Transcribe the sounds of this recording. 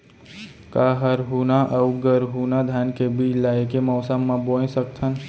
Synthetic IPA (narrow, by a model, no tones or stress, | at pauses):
kaɦəɾɦunaʔəuɡəɾɦunad̪ʱjankebʱilaekemɔːsəmːãboẽsəkt̪ʰən